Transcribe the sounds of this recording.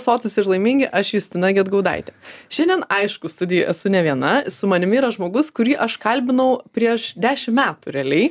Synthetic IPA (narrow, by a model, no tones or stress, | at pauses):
soːt͡sʲɪsɪɾlˠɐɪmʲɪŋʲɡʲɪʔɐʃjuːsʲt̪ʲɪnɑɡʲiɛd̪ɡɐʊd̪ɐ̰ɪt̪ʲɛʃʲɛnʲdʲɛnɐɪʃkʊst̪ʊd̪ʲɪjɛʔɛsʊnʲɛʋʲiɛnɐsʊmɐnʲɪmʲɪːɾɐʒmoːɡʊskʊɾʲiːʔɐʃkɐlʲbʲɪnɐʊpʲɾʲiɛʃd̪ʲæːʃʲɪmmʲæːt̪ʊɾʲɛlʲɛɪ